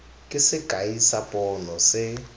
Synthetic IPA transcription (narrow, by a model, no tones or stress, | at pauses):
kʼɪsɪɡ̥ʱʼaisapʼɔnɔsɪ